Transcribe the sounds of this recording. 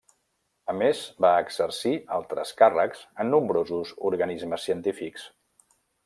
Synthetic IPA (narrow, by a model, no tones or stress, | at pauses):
əmezbaəɡz̥əɾsialˠt̪ɾə̰skarəkz̥ənːumbɾozuzuɾɣənizməsːiənt̪ifiks